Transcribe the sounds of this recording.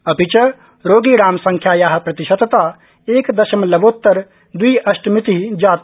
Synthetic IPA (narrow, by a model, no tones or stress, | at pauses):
ɐpit͡ʃɐ | ɾoːɡiːɾaːmsɐ̃ŋkʰjaːjaːɦɐ̆pɾɐt̪iʃɐt̪t̪aː | eːkd̪ɐʃɐmlɐboːt̪ːɐɾ | d̪uiʔɐʃʈmit̪iɦid͡ʒaːt̪